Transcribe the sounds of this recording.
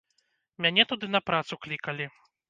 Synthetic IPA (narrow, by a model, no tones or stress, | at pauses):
mʲanʲɛt̪ud̪ɨnɐpɾat̪suklʲikɐlʲi